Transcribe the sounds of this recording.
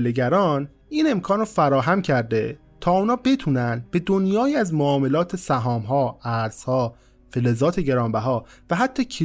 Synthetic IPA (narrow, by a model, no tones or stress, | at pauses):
leɟæɾɒːn | iːne̞mkʰɒːnrɔfæɾɒːɦæmcʰæɾd̪e̞ | t̪ʰɒːuːnɒːbe̞t̪ʰuːnænd̪be̞d̪onjɒːjiːæzmoɒːme̞lɒːt̪ʰe̞sæɦɒːmɦɒːæɾz̥hɒː | felezɒːt̪ʰeɟe̞ɾɒːmbæɦɒːvæɦæt̪ʰːɒːcʰi